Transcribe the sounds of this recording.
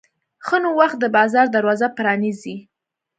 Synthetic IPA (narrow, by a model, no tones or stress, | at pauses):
xənowaxt̪̚d̪əbɑzɑɾd̪aɾwɑzapɾɑnizi